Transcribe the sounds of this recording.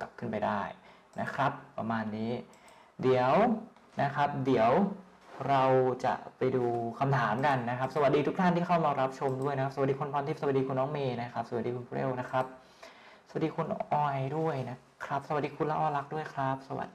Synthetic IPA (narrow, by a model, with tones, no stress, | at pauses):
ka˨˩p̚kʰɯ˥˩npa˧jdaː˥˩j | nʔa˦˥kʰɾa˦˥pːɾa˧maː˧nːiː˦˥ | di˩˦əw | na˦˥kʰɾa˦˥p̚di˩˦əw | ɾa˧wt͡ɕa̰˨˩ʔpa˧jduː˧kʰa˧mt̪ʰaː˩˦mka˧nːa˦˥kʰa˦˥p̚sa˧wa˨˩t̪̚diː˧t̪ʰu˦˥k̚t̪ʰa˥˩nt̪ʰiː˥˩kʰa˥˩wmaː˧ɾa˦˥p̚t͡ɕʰo˧mdu˥˩jna˦kʰa˦˥s̚iː˧kʰu˧npʰɔː˧nt̪i˥˩sa˧a˨˩diː˧ku˧nːɔː˦˥ŋmeː˧na˦˥kʰa˦˥p̚sa˧˩a˨˩t̚diː˧kʰu˧npu˧lḛ˥˩wna˦˥kʰɾa˦˥p̚ | sa˨˧wa˩diː˧kʰu˧nʔɔː˧˩jdu˥˩əjna˦˥ | kʰɾa˦˥p̚sa˧wa˨˩t̚diː˧kʰu˧nla˦˥ʔɔː˧la˦˥k̚du˥˩əjkʰɾa˦˥p̚sa˧wa̰˨˩t̪̚